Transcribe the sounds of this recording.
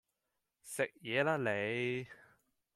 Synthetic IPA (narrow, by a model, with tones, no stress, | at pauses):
sɪ˨k̚jɛː˨˧laː˥le˨˧j